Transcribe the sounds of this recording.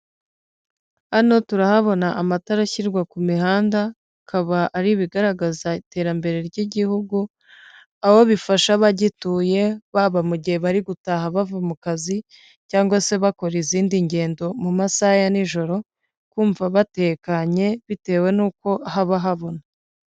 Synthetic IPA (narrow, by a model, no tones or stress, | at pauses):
ano̞tuɾahaβo̞naʔamataɾaçiɾɡwakumiɦaːnda | kʰaβaʔːɾiβiɡaɾaɡazaite̞ːɾambe̞ɾe̞ɾɟiɟihuɡu | aho̞βifaʃaβaɟituːje̞βaβamuɟiheβaɾiɡutaɦaβavamukazi | caːŋɡwase̞βako̞ɾiziːndiɲɟe̞ːndo̞mumasajaniʒo̞ɾo̞ | kuːɱvaβate̞ːkaɲe̞βite̞ːwe̞nuːko̞ʔaɦaβaɦaβo̞na